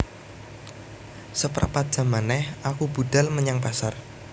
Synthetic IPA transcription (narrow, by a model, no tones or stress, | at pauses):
səpɾa̰ʔpad̥ʒ̥a̤manɛhʔakub̥ṳd̥alməɲaŋpasar